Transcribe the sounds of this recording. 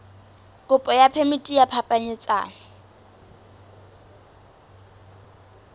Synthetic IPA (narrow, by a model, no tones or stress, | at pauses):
kʼʊpʼɔjapʰemitʼijapʰapʼaɲɪt͡sʼa̰ːna